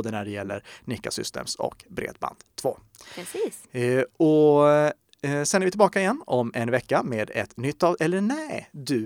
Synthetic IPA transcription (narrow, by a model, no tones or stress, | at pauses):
d̪ənæɖɛjɛlːə̰ɾnɪkːasʏ̰st̪ḛːmsɔ̰kbɾḛːd̪ba̰nd̪̥t̪ʰːvo̰ː | ɔ | sɛnːɛɾvɪt̪ɪlbɑːkaɪjɛnːɔmɛnvɛkːameːd̪ɛ̰t̪nʏt̪ːavʔɛlːənæd̪ɵ